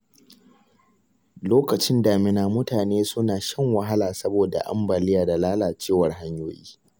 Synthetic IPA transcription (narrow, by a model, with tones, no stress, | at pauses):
loː˦kɐ˨t͡ʃɪ˦ndaː˨mɪ˨naː˨mʊ˦taː˨neː˦sʊ˦naː˨ʃɐ˦˨ŋwɐ˨ɦa˦laː˨sɐ˦boː˨da̰˨ʔa̰˦mbaː˨lɪ˦jaː˨da˨laː˦laː˨t͡ʃeː˦˨wɐ˨˦rɦa˦ɲjoː˦jḭː˦